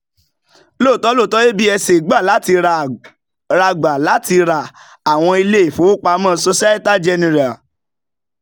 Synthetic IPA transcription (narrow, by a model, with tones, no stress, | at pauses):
lo˦˨tɔ˨˦lo˦˨tɔ˦je˦bi˦ɛ˧se˨ɡ͡ba˦˨la˨˦ti˧ɾa˨ | ɾa˧ɡ͡ba˨la˨˦ti˧ɾa˨ | a˨w̃ɔ̃˧i˧le˦i˨fo˨˦o˦k͡pa˧˦mã˦˨˧so˧sa˦e˦ta˦d͡ʒɛ˧nĩ˨ɾa˨